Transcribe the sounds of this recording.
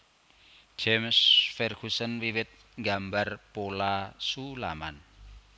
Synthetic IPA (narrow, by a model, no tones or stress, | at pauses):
ʒ̥emsfɛrɡ̥usənwiwɪt̪̚ | ŋɡambarpolasula̰man